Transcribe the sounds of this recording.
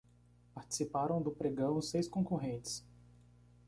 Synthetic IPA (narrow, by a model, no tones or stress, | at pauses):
paɾt͡ʃi̥sipaɾɐ̃w̃d̪ʊpɾeɡɐ̃w̃sejskõkoɦẽt͡ʃɪ̥s